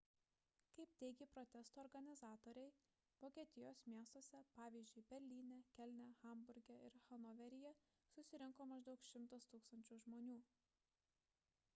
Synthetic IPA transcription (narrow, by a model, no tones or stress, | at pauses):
kɐɪpt̪ʲɛɪɡʲiːpɾot̪ʲɛst̪oːɾɡɐnʲɪzɑːt̪oːɾʲɛɪ | ʋoːkʲiɛt̪ʲɪjoːsmʲiɛst̪oːsʲɛpɑːʋʲiːzʲd͡ʒʲʊɪbʲɛɾʲlʲiːnʲɛkʲɛlʲnʲɛxɐmbʊɾʲɡʲɛɪɾxɐnɔʋʲɛɾʲɪjɛ | sʊsʲɪɾʲɪŋkoːmɐʒd̪ɒʊkʃʲɪmt̪ɐst̪uːkst̪ɐnʲt͡ʃʲuːʒmoːnʲuː